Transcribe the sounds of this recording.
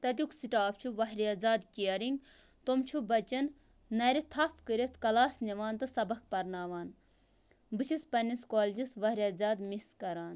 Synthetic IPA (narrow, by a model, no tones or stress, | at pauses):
t̪ɐt̪̬ʲjuksiʈaːpt͡ʃʰuʋɐɦɾiazaːd̪kʲiɐɾiŋɡ | t̪omt͡ʃʰubɐt͡ʃɐnː | ɐɾit̪ʰɐfkəɾʲet̪ʰkɐlaːsnɐʋaːnt̪ɨsɐbɐk̚ʰpɐɾnaːʋaːn | bɨt͡ʃʰispɐniskoːld͡ʒisʋɐhɾʲiaːzaːd̪miskɐɾaːn